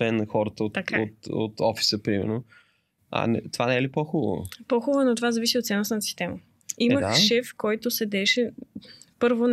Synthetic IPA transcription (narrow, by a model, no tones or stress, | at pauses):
ɛnːɐxɔɾət̪əot̪akao̰t̪o̰t̪ɔfi̥səpɾimɛ̰ɾno | ɐ̰nɛt̪ovanɛɛlipɔxubbə̰v̰pɔxubənot̪ovazɐvisiot̪sɛnost̪nt̪əsi̥st̪ɛmə | iməʃɛfkɔjt̪osɛd̪ɛʃɛ | pɤɾvon